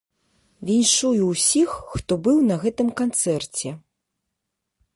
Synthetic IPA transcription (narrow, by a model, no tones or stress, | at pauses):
vʲinʲʂujuwsʲixːt̪ɔbɨwnɐɣɛt̪ɨmkant̪sɛrt͡sʲɛ